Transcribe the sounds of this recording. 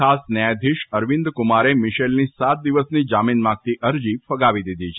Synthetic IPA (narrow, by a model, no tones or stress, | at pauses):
asnjajd̪ʱiʃəɾʋĩnd̪kumaɾemɪʃelnisat̪̚d̪iʋəsnid͡ʒaminmãɡ̚t̪iʔəɾd͡ʒifəɡaʋid̪id̪ʱit͡ʃʰe